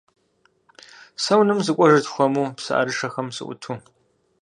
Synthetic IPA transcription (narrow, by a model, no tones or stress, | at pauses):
sɐwnɨmzɨkʷʼɔʒɐtxʷɔmuːpsɨ̰ʔa̰ɾɨʂɐxɐmsɨ̰ʔʷʊ̰tʰuː